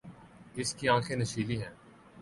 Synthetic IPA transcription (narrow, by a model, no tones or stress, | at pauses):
ɪskiãːkʰenɐʃiːliɦɛ̃ː